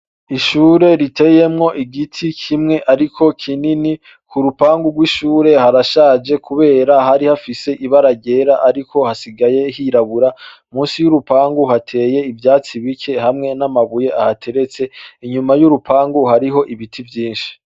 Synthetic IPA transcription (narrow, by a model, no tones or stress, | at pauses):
iʃuːɾe̞ɾitʰe̞ːje̞mŋo̞ʔiɡitʰikʰimŋe̞ʔaɾikʰo̞kʰinini | kuɾupaːŋɡuɡwiʃuːɾe̞haɾaʃaːd͡ʒe̞kʰuβe̞ːɾaɦaɾihafise̞ʔiβaɾaɟe̞ɾaʔaɾikʰo̞hasiɡaje̞hiɾaβuɾa | muːnsijuɾupaːŋɡuhatʰe̞ːje̞ivjaːt͡siβikʰe̞hamŋe̞namaβuje̞ʔahatʰe̞ɾe̞t͡se̞iɲumajuɾupʰaːŋɡuhaɾiɦo̞ʔiβitʰivjiːnʃi̥